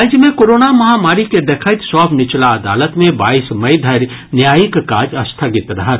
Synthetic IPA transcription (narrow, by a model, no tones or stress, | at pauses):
d͡ʒəmẽkoːɾoːnamɐɦamaːɾiked̪eːkʰəɪt̪sɔːbnɪt͡ʃlaɐd̪a̰ːlət̪mẽba̰ːiːsmɐid̪ʱɐɾnjaːjikkaːd͡ʒɐst̪ʰəɡɪt̪ɾɐɦə